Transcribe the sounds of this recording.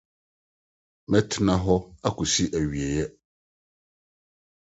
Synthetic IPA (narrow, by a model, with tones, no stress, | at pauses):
mɛ̃˦tʰɪ˦nã˦ɦɔ˦a˦ku˨si˦ʔæ˨ɥi˨e˨jɛ˦